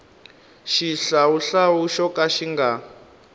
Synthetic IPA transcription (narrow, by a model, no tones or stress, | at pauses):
ʃiɬauɬawuʃɔkʼaʃiŋɡa